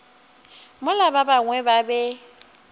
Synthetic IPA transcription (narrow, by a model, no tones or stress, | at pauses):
mʊlababaŋwɛbabɛ